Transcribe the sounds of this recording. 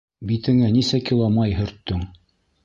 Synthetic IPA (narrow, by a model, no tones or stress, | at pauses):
bit̪ɘ̆ŋænisækilˠɑmɑjɦɵ̆ɾt̪ːɵŋ